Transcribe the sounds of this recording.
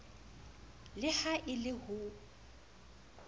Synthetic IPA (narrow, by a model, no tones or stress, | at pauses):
lɪhaʔɪlɪhʊ